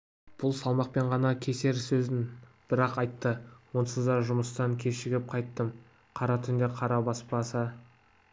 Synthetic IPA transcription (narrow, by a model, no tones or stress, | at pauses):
b̥ʊlˠsɑlˠmɑq̚pe̞ɴʁɑnɑkʲʰe̞se̞ɾsɵzɪnb̥ɪɾɑqɑjt̪ːəwo̞nsəzd̪ɑʒʊməst̪ɑŋkʲʰe̞ʃɪɡʲɪp̚qʰɑjt̪ːəm | qʰɑɾɑt̪ʰʏnd̪eqʰɑɾɑbɑspɑsə